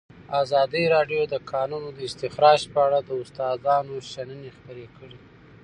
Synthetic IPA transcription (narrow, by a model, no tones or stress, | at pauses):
azɑd̪əjɾɑɖjod̪əkʰɑnunod̪əɪst̪ɪxɾɑʒpəaɽad̪əʊst̪ɑzɑnoʃanənexpəɾekəɽi